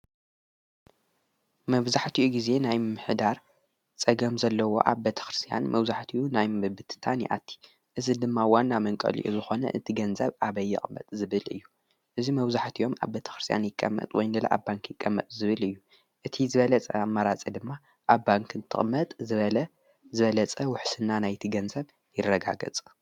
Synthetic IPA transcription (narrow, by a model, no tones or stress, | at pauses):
mɐβzaħt̪ʰiʔuɡize̞najɨmːɨħd̪aɾ | t͡sʼɐɡɐmzɐlːɐwo̞̰ʔaβbet̪ʰɐ̥xɾɨst̪ʰʼija̰nmɐβzaħt̪ʰiʔunajmɨbɨt̪ʰɨ̥t̪ʰanḭʔa̰t̪ʰːi̥ | ʔɨzid̪ɨmːawanːamɐŋkʼɐ̰lḭʔuzɨxo̞nɐ̰ʔɨt̪ʰiɡɐnzɐβʔaβɐjːɪ̰χʼmːɐ̰t̪ʼzɨβɨlɨ̰jːu | ʔɨzimɐβzaħt̪ʰijo̞ma̰βbet̪ʰɐ̥xɾɨst̪ʰʼja̰njɪkʼːɐ̰mːɐ̰t̪ʼwɔjnɨlɐ̰ʔa̰baŋkjɪkʼːɐmːɐ̰t̪ʼzɨβɨlɨjːu | ʔɨt̪ʰizɨβɐlɐt͡sʼɐamːaɾat͡sʼid̪ɨmːa | ʔaβbaŋkʰɨnt̪ʰɨχʼmɐt̪ʼɨβɐlɐ | zɨβɐlɐt͡sʼɐwʊħsɨnːanajt̪ʰiɡɐnzɐβ | jɪrːɐɡa̰ɡɐ̰t͡sʼ